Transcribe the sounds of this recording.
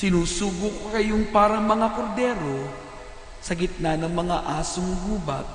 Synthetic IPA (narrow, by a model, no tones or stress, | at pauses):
sɪnuːsuːɡʊkkɐjoŋpaːɾɐŋmɐŋakoɾd̪ɛːɾo | sɐɡɪt̪̚nanɐŋmɐŋaʔaːsʊŋɡuːbɐk̚